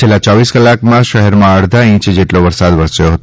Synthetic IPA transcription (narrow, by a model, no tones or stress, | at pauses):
elːat͡ʃɔʋiskəlakmãʃəɦɛɾmãəɽd̪ʱaĩt͡ʃd͡ʒeʈloʋəɾsad̪ʋəɾsjoɦət̪